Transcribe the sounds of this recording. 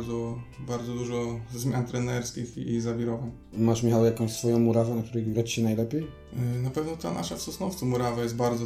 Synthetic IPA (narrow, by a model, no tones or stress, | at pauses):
d̪zɔbaɾd̪zɔd̪uʐɔzmʲjant̪ɾɛnɛɾskʲixiːzavʲiɾɔvan | maʂmʲixawjakɔ̃w̃ʲsfɔjɔ̃w̃muɾavanak̚t̪uɾɛjɡat͡ɕɕɛnajlɛpʲjej | napɛvnɔt̪a̰nʔa̰ʂafsɔsnɔft̪sɨmuɾavajɛst̪baɾd̪zɔ